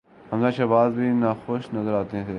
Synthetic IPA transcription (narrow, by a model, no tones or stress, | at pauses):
ɦəmzãːʃəːbaːzbʱiːnaːxoːʃnəzəɾaːt̪eẽːseː